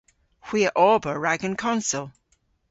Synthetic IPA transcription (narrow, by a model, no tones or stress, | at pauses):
hw̥iəʔɔːbəɹaɡə̃nkʰɔ̃nsəlˠ